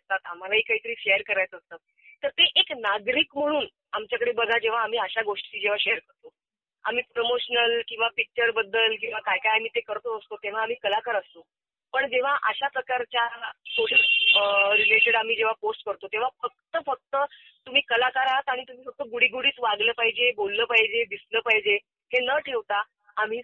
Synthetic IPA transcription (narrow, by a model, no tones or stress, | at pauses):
st̪at̪am̤alaɦiːkaɦiːt̪əɾiːɕejəɾkəɾajt̪əst̪at̪̚ | t̪əɾt̪eʔeknaɡɾiːkm̤əɽ̃uːn | amt͡ɕjakəɽebəɡʱad͡ʑeʋ̤aːm̤iːəɕaɡoʂʈiːd͡ʑeʋ̤aɕeəɾkəɾt̪o | a̰m̤iːpɾomoɕnəlkĩw̃ʋapik̚t͡ɕəɾbəd̪ːəlk̬ĩw̃ʋakajkajam̤iːt̪ekəɾt̪oəst̪ot̪eʋ̤aːm̤iːkəlakaɾəst̪o | pəɳd͡ʑeʋ̤aʔəɕapɾəkaɾt͡ɕjasoʈi | ɾileʈeɽam̤iːd͡ʑeʋ̤aposʈkəɾt̪ot̪ẽʋ̤afək̚t̪əfək̚t̪ə | t̪um̤iːkəlakaɾat̪aɽ̃it̪um̤iːfək̚t̪əɡuɽiːɡuɽiːt͡sʋaɡləːpaɦid͡ʑebolːəːpaɦid͡ʑeb̪isləːpaɦjd͡ʑe | henəʈʰeʋt̪aː | m̤iː